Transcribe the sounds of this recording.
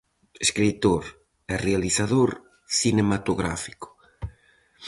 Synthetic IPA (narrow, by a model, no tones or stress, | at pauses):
eskɾit̪oɾ | ɛrealiθaðoɾ | θinemat̪oɣɾa̰fi̥kʊ̥